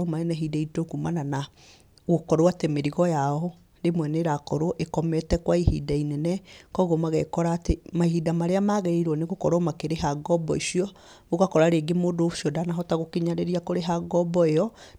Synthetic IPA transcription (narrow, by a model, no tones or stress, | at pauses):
omaenɛɦidaitokumanana | ɣokɔɾoatemeɾiɣɔjaɔ | ɾemwɛneɾakɔɾoʔekɔmɛtɛkwaihḭdainɛnɛkɔɣomaɣɛ̰kɔɾaːtemahidamaɾeamaɣɛiɾwɔneɣokɔɾɔmakeɾeɦaɡɔbɔisiɔ | βoɣakɔɾaɾeɡemodoʃiɔdanaɦɔtaɣokiɲaɾeɾiakoɾeɦaɡɔbɔeɔ